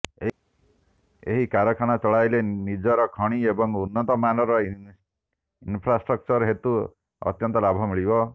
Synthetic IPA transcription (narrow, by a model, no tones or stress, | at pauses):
e | ḛɦikaɾɔkʰaɽ̃at͡ʃɔɭajlenid͡ʒɔɾɔkʰɔɽ̃iebɔŋunːɔt̪ɔmanɔɾɔ | inpʰɾasʈɾɔk̚t͡ʃɔɾɦet̪u | ɔ̰t̪jɔnt̪ɔlabʱɔmiɭibɔ